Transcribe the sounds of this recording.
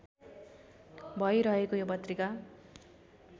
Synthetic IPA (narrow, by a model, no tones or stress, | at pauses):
bʱʌjɾʌɦekojopʌt̪rika